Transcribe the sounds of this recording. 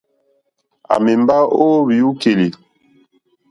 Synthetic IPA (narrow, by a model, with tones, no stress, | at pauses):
a̰˨me˨m˦ba˦oː˦bi˨u˦ke˨li˨